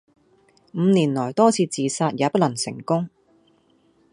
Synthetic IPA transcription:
m̩˨˧niː˨˩nlɔː˨˩jt̪ɔː˥t͡sʰiː˧t͡siː˨˧saː˧t̚jaː˨˧pɐ˥t̚lɐ˨˩ŋsɪ̰˨˩ŋkʊ˥ŋ

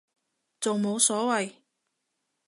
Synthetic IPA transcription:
t͡so˨wmo˨˧wsɔː˨˥wɐ˨j

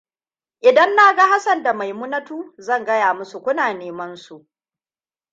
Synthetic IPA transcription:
ʔɪ˨dɐ˦nːaː˦ɡa˦ha˦sɐ˨nda˨ma˨jmʊ˦nɐ˦tuː˦zɐ˦˨ŋɡɐ˦jaː˨mʊ˦su˨kʷʊ˦naː˨neː˨˦mɐ˦nsu˨ʔ

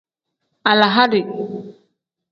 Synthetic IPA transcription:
a˨la˨ɦa˦ɾi˨

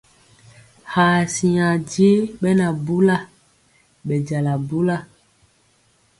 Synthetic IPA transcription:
haː˨si˨a˨di˦e˦ɓɛ˦na˨bu˦la˦ | ɓɛ˨d͡ʒa˨la˨bu˦la˦˨

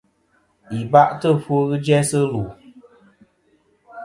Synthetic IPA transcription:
i˨ba˦ʔtə˦˨fo˦ɣɨ˦d͡ʒɛ˦sɨ˦lu˨

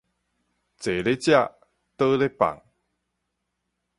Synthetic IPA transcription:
t͡se˨˩le˦t͡ɕja˥˧˨ | t̪ə˦le˦pa̰˨ŋ

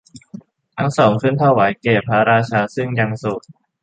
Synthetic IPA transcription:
t̪ʰa˦˥ŋsɔː˩˦ŋkʰɯ˥˨nt̪ʰa˧˥˩wa˩˦jkeː˨˩pʰa˦˥ɾaː˧t͡ɕʰaː˧sɯ˥˩ŋja˧ŋso˨˩t̪̚

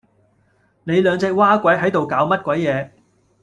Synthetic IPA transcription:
ne˨˧jlœː˨˧ŋt͡sɛː˧k̚waː˥kʷɐ˨˥jɦɐ˨˥jt̪o˨wkaː˨˧˥wmɐ˥t̚kʷɐ˨˥jːɛː˨˧

